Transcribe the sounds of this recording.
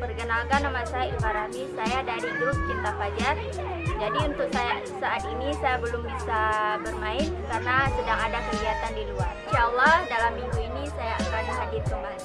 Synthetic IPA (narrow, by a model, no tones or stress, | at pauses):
pərɡənalkanːamasajailfaɾamisajadaɾiɡɾʊskit̪apad͡ʒar | d͡ʒadiunt̪ʊk̚saja | saʔːt̪̚inisajabəlʊmbisabərmaɪnkarnasədaŋadakəɡiat̪andiluarʃaəlːahdalamːiŋɡuinisajak̪əɾadaɦadɪr̚kəmbali